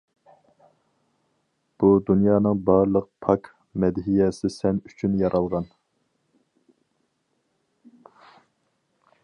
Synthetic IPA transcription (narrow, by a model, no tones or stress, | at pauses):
b̥ud̪unjɑːnɨŋbɑɾlˠəq̚pʰɑk | mɛd̪ɦijɛsɪsɛmyt͡ʃʰynjɑɾʔɑlˠʁɑn